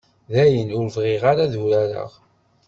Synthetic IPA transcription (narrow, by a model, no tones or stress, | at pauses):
ðæjənʊɾvʁɪʁaɾaðuɾæɾə̰ʁ